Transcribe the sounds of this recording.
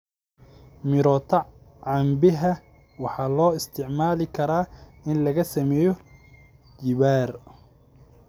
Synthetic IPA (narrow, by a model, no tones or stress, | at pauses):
mɪɾɔːt̪ʰɐ | ʕɑmbɪɦɐ | wɑħɑːlɔːɪst̪ʰɪʕmaːlɪkʰɐɾaːɪnlɐɣɐsɐmɛːjɔ | d͡ʒɪβaːr